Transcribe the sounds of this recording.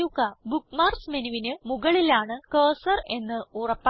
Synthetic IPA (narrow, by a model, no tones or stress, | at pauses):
ukːɐbukmaːrsmenuʋinɨmuɣɐɭilaːɳɨkɐːsɐre̞nːɨurɐpːa